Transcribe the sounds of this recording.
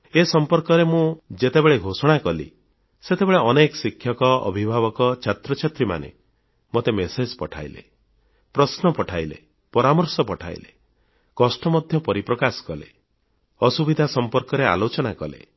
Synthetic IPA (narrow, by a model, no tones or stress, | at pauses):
esɔmpɔɾkɔɾemũd͡ʒet̪ebeɭeɡʱosɔɽ̃akɔlḭ | set̪ebeɭeɔnekɔsikʰjɔkɔɔ̰bʱibʱaβɔkɔt͡ʃʰat̪ɾɔt͡ʃʰat̪ɾima̰nḛ | mot̪emesed͡ʒpɔʈʰa̰jlḛ | pɾɔsnɔpɔʈʰajlḛ | pɔɾamɔɾsɔpɔʈʰa̰j̰lḛ | kɔsʈɔmɔd̪ʱjɔpɔɾipɾɔkasɔ̥kɔlḛ | ɔsubid̪ʱasɔmpɔɾkɔɾea̰lot͡ʃɔnakɔlḛ